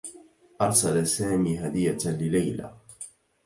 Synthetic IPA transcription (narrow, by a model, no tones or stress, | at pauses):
ʔɑɾˤsalasaːmiːɦad̪ɪjːalɪlajla̰